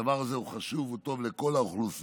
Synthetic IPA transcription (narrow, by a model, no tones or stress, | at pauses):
avaʁazeuχaʃuvut̪o̞vle̞ko̞laoχlus